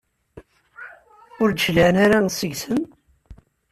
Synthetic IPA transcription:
ʊɾd͡ʒlanaɾansəʝsəm

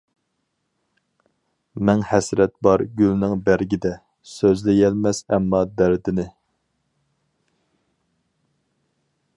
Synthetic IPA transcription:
mɛŋhɛsɾɛt̪̚bɑɾɡʲylnɪŋbæɾɡʲid̪ɛ | søzlɪjɛlmɛsɛ̰mːɑd̪æɾd̪ɪnɪ

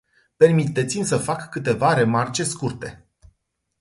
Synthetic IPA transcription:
pe̞rmit̪e̞t̪simʲsəfakːɨt̪e̞vaɾe̞mart͡ʃe̞skurt̪e̞

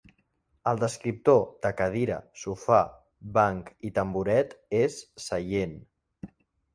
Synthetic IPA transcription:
əlˠd̪əskɾip̚t̪od̪̥əkəð̞iɾə̰sufa | baŋkit̪əmbuɾɛt̪esːəjen

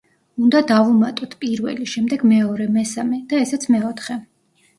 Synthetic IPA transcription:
und̪ad̪avumat̪ʼɔt̪ʰpʼiɾvɛ̰liʃɛmd̪ɛɡmɛɔɾɛmɛsamɛd̪̥aɛsɛt̪sʰmɛɔt̪ʰχɛ

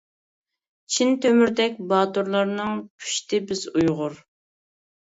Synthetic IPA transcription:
t͡ʃʰint̪ʰømyɾd̪ɛk̚ʲbɑːt̪uɾlˠɑɾnɨŋkʲʰy̥ʃt̪ɪbɪzujʁʊɾ

